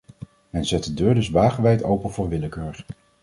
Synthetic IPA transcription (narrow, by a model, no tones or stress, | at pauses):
mɛnzɛt̚dədøːɹdɵzʋaːχəʋɛjtowpənvʊːɹʋɪləkøːɹr